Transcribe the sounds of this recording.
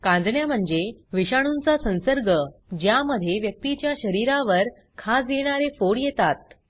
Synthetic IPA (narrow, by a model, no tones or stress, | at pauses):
kãnd̪ʱɳjam̤əɳd͡zeʋiɕaɽ̃unt͡sasə̃ñsəɾɡʱəd͡ʑjaməd̪ʱːjeʋjək̚t̪it͡ɕjaɕəɾiɾaʋəɾ | kʰasjeɽ̃aɾefoɽjet̪at̪̚